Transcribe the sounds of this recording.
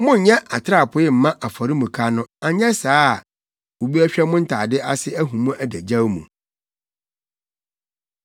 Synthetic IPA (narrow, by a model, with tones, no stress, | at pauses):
mʊ̃˦ɲ̩˨ɲɛ̃˦ʔa˨tʰɪ˦ɾa˦˨pʰʊ˨˦ɪ˦m̩˨mã˦ʔa˨fɔ˨ɾi˦mũ˨kʰa˦nʊ̃˦a˨ɲɛ̃˦saː˦˨ | o˨bi˦æ˦ɕᶣɛ˦mʊ̃˦n̩˦tʰaː˨dɪ˦ʔa˦sɪ˦æ˦ɦũ˨mũ˦ʔæ˨dæ˨d͡ʑa˦wmṵ̃˨